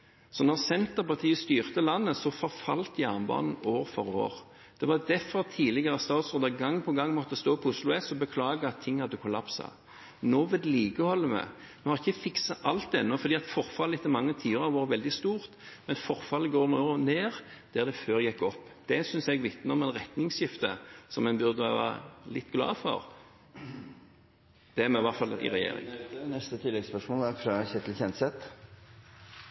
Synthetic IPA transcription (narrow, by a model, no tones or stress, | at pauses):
sɔnɔʁsɛnt̪əɾpɑʁt̪ʰiːəst̪yːʁt̪əlɑnːəsɔfɔɾfɑlt̪jɑnbɑ̰ːnn̩oːɾfɔɾo̰ːɾ | d̪̥ɛʋɑd̪ɛfːɔɾt̪ʰiːlɪɡəʁɑst̪ɑːt̪sʁoːd̪ɑɡɑŋːpʰɔɡɑŋːmɔt̪ːəst̪oːpʰɔʊslʊɛsɔbəkʰlɑːɡəɑt̪ʰːɪŋːhɑd̪ːəkʰʊlɑpsɑ̰ | noːʋɪd̪ɛliːkəhɔlːəmɛ̰ | mʊhɑʁɪçːəfɪksɑʔɑlt̪̚ːɛnːɔfɔɾd̪iːɑt̪fɔɾfɑləɛt̪ːəmɑŋːət̪ʰiːʊɾɑʋɑːɾʋɛld̪ɪst̪uːʁt̪mɛnfɔɾfɑlːəɡoːɾnoːɾneːɾd̪̥æʁd̪ɛføːɾjɛkːɔpːd̪̥ɛsʏnsɛɡʋɪt̪nəɔmɛnɾɛt̪nɪŋsjɪft̪əsɔmɛnbʉɾd̪əɑʋɑ̰ɾlɪt̪ːɡlɑ̰ːfɔ̰ɾ | d̪̥ɛæɾmɛʋɑɾt̪fɑlɪ̰ɾɛjḛːɾɪ̰ŋnɛst̪ət̪ʰɪlːɛɡspœʂmoːlæɾfɾɑçɛt̪l̩çɛnt̪sɛt̪